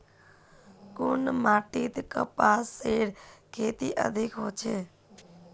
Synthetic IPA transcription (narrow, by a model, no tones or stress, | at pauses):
kʊnmaːʈit̪kə̰pasːeɽkʰet̪iʔə̰d̪ʱikɦot͡ʃʰe